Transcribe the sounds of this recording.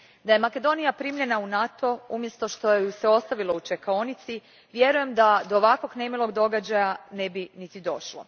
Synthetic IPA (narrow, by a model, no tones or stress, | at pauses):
d̪aje̞make̞d̪o̞nijapɾiːmʎʲe̞naunat̪ʰo̞umje̞st̪o̞ʃt̪o̞useo̞st̪aʋilo̞ut͡ʃekaonit̪si | ʋje̞ɾuje̞md̪ad̪oːʋakʋo̞ɡnemilˠo̞ɡd̪o̞ɡad͡ʑajanebinit̪id̪o̞ʃlˠo̰